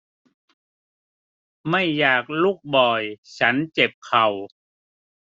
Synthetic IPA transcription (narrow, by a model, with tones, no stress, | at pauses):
ma˥˩jːaː˨˩k̚lu˥˩k̚bɔː˨˩jt͡ɕʰa˦˥nt͡ɕe˨˩p̚kʰa˨˩w